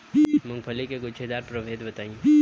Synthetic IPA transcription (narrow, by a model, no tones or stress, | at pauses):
bimʊ̃ŋpʰəlikeɡʊt͡ʃʰed̪aːɾpɾɐʋeːd̪bɐt̪aːĩ